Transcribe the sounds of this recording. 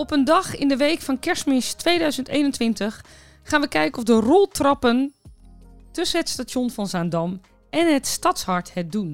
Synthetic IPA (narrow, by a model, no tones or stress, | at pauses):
ɔpəndɑxɪndəʋejkfɑnkɛɹsmɪstʋejdœɥzəntejnəntʋɪntəxː | aːnʋəkɛjkəɔfdərɔlˠtrɑpən | tɵsənɦətstatonfɑnzaːndɑm | ʔɛnɦətstɑtshɑɹthɛt̚dun